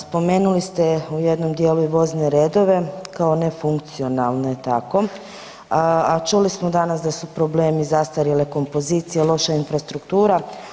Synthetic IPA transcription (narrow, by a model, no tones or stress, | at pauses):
spo̞me̞ːnulist̪e̞ujed̪no̞md̪jeluiʋo̞zneɾe̞ːd̪o̞ʋe̞kao̞ne̞fuŋk̚t̪sio̞nalˠneet̪ako̞ | at͡ʃulismod̪anasd̪asupɾo̞bleːmizast̪aɾjileko̞mpo̞zit̪sijelˠo̞ʃainfɾast̪ɾukt̪uːɾa